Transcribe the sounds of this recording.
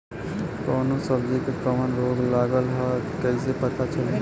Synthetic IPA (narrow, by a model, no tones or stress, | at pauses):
kɔːnosəbd͡ʒikekəmənɾoːɡlaːɡəlɦɔkəisepɐt̪at͡ʃʰɐle